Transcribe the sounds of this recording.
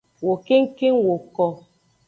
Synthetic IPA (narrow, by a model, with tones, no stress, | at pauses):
wo˨ke˦ŋ̩˦ke˦ŋwo˨kɔ˨